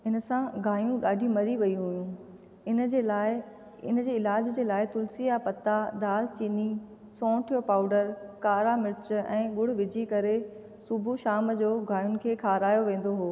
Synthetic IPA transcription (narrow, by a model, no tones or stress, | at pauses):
ɪnəsãɡaːjũɗaːɖʱimɐɾiʋɐiɦujũ | ɪn | ɪ̰nəd͡ʑeːɪlaːd͡ʑd͡ʑeːlaːɪt̪ʊlsijapɐt̪ad̪aːlt͡ɕiːni | sɔ̃ːʈʰijopaːʊɖəɾkaːɾamɪɾɪt͡ɕɛ̰̃ːɠʊɽ̤ʋɪd͡ʑʱikɐɾe | sʊbʱuʃaːmd͡ʑoːɡaːjʊnɪ̆kʰeːkʰaːɾaːjoʋẽːn̆d̪oɦoː